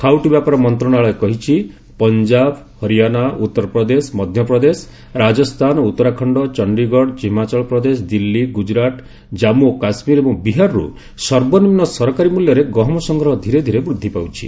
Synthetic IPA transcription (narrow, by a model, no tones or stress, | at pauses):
kʰawʈibjapaɾɔmɔnt̪ɾɔɽ̃aɭɔekɔɦit͡ʃʰi | pɔnd͡ʒab | hɔɾijanaut̪ːɔɾɔpɾɔd̪esmɔd̪ʱjɔpɾɔd̪es | ɾad͡ʒɔst̪ʰanɔut̪ːɔɾakʰɔɳɖɔt͡ʃɔɳɖiɡɔɽd͡ʒimat͡ʃɔɭɔpɾɔd̪es̬ɔd̪ilːiɡud͡ʒɾaʈ̪ | d͡ʒamukasmiɾebɔ̃ŋbiɦaɾɾṵ | sɔɾbɔnimnɔsɔɾɔkaɾimuljɔɾeɡɔɦɔmɔsɔŋɡʱɾɔɦɔd̪ʱiɾed̪ʱiɾebɾud̪ʱːipawt͡ʃʰḭ